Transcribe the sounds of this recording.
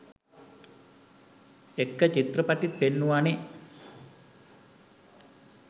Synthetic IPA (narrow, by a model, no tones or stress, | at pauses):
ekːɐt͡ʃit̪rɐpɐʈːit̪̚penːuʋane